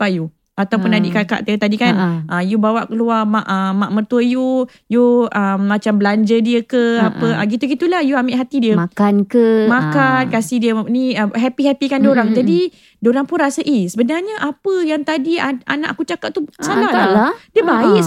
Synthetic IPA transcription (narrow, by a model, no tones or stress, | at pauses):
paju | at̪awpunadiʔkaka̰ʔt̪ət̪adikanʔəjubawaʔkəluamaʔəmaʔmərt̪uəju | juəmːat͡ʃambəlaɲd͡ʒədiəkəapəaɡit̪uɡit̪ulahjuamɪʔɦat̪idiəmakankəmakankasihdiəniəɦɛpiɦɛpikandoɾaŋd͡ʒadi | doɾaŋpunrasəʔisəbənarɲəʔapəjaŋt̪adia̰nã̰ʔakut͡ʃakat̪̚t̪usalaaadiəbai